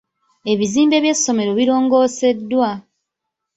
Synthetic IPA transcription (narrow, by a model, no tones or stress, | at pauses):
e̞βiziːmbe̞βje̞sːo̞me̞ɾo̞βiɾo̞ːŋɡo̞ːse̞dːwa